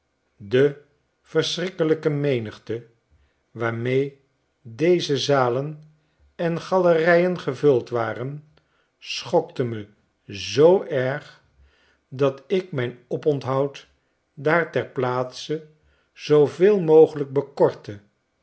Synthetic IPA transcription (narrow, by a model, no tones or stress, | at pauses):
də | v̥əɹsrɪkələkəmejnəχtə | ʋaːɹmej | dejzəzaːlən | ɛnχɑlərɛjənχəvɵlˠtʋaːrən | sχɔktəmə | zowʔɛɹχ | dɑtɪk̚mɛjnɔpɔntɦɑwt | daːɹtɛɹplaːtsə | z̥owvɪːlˠmowχələɡ̚bəkɔɹtə